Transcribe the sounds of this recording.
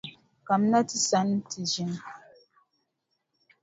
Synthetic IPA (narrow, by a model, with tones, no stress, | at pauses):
ka˨m˦na˦ti˦sa˨˦n˦tʰi˨d͡ʒi˦n